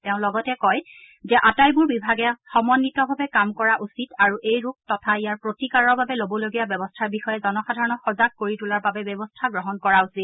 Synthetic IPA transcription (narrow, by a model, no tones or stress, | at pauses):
tɛʊ̃lɔɡɔtɛkɔj | zɛʔatajbʊɹbibʱaɡɛxɔmɔnːitɔbʱabɛkamkɔɹaʔusitaɹuʔejɹuk̚tɔtʰaijaɹpɹotikaɹɔɹbabɛlobɔloɡijabjɛbɔstʰaɹbixɔjɛzɔnɔxadʱaɹɔnɔxɔzaɡ̚koɹitulaɹbabɛbjɛbɔstʰaɡɹɔɦɔnkɔɹausit̚